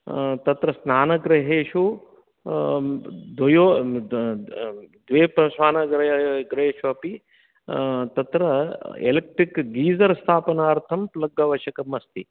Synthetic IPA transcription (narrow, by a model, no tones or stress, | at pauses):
t̪ɐt̪ɾɐsnaːnɐɡɾɐɦeːʃu | d̪ʱɐjoː | d̪ʋeːpɐsʋaːnɐɡɾɐɡɾeːʃuɐpi | t̪ɐt̪ɾɐḛlek̚ʈɾikɡiːzɐɾst̪ʰaːpɐnɐːɾt̪ʰɐmplɐɡːɐʋɐʃɐkɐmɐst̪i